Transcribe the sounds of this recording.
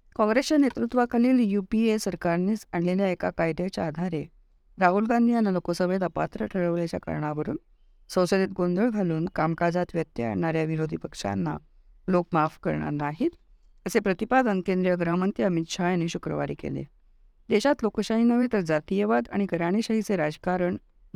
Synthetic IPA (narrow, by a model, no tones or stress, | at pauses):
kɔ̃ŋɡɾest͡ɕanet̪ɾut̪ʋakʰaliːljupiesəɾkaɾniːsaɳleljaekakajd̪at͡ɕaːd̪ʱaɾe | ɾaɦulɡãnd̪ʱianːalokosəʋəd̪apa̰t̪ɾəʈʰəɭəʋljat͡ɕa̰kə̰ɾɳaʋəɾuːn | səwsəd̪it̪̚ɡond̪əɭd͡zʱaluːnkamkad͡zat̪ʋjət̪jəə̰ɳaɾjaʋiɾod̪ʱipəkʂa̰nːa̰ | lokmafkə̰ɾɳa̰ɾnaɦiːt̪ | əsepɾət̪ipad̪ənkẽnd̪ɾijəɡɾəɦəmənt̪iəmit̪ɕajañiːɕukɾəʋa̰ɾiːkḛlḛ | d̪eɕat̪lokəɕaɦinəʋet̪əɾd͡zat̪ijəʋad̪a̰ɽ̃ikəɾaɽ̃iɕəɦit͡seɾad͡zkaɾəɳ